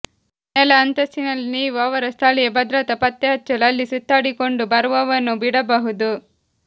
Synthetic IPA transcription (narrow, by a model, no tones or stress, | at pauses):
nɛlɐːnt̪ɐst̪inɐlniːʋɐʋɐɾɐst̪ʰaːlijebɐd̪ɾɐt̪ɐpɐt̪ːeɦɐt͡ʃːɐlɐlːisut̪ːaːɽikoɳɖubɐɾʋɐʋɐnːubiɽɐbɐɦud̪u